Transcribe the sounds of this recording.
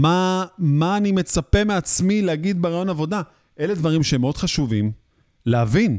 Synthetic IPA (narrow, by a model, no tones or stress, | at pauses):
mamaːnime̞t͡sape̞me̞at͡smilehaɡid̪beʁajo̞navo̞da | ʔe̞le̞dvaʁimʃeemeo̞d̥χaʃuvim | lehavin